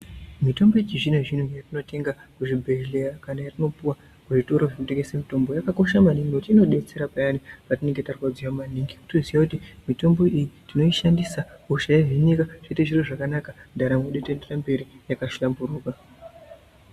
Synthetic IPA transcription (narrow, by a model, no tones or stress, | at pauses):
mito̞mbo̞jet͡ʃiʐineʐin̤ujatino̞te̞ŋɡakuʐibʱe̞elejakanajatino̞puwa | kuʐito̞ɾo̞ʐekute̞ŋɡesemito̞mbo̞jakako̞ʃamaniŋɡiutino̞ɗe̞t͡se̞ɾapajanipatine̞ŋɡe̞tarkwad͡ziwamaniŋɡikutuziwakutimito̞mbo̞ʔijitino̞iʃandisauʃajeʐeɲikaʐ̥eteʐiroʐakanakandaɾamweɗetenderambe̞ɾijakaʃulambuɾuːka